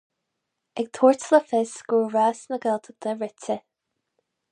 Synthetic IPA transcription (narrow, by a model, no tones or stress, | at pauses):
ɛɡ̚t̪ʰuːɹtləfɪsɡ̥uɹɹaːsnəɡɛlt̪ʰəɡ̚d̪əɹɪtə